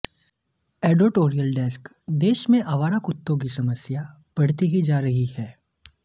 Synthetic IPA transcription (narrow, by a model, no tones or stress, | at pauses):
ɛːɖoːʈoːɾijəlɖɛːsk | d̪eːʃmẽʔɐʋaːɾakʊt̪ːõk̬isɐməsja | bɐɽ̤t̪iɦid͡ʒaːɾɐɦihɛː